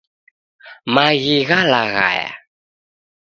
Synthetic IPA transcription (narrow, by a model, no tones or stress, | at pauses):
maɣiɣalaɣa̰ja̰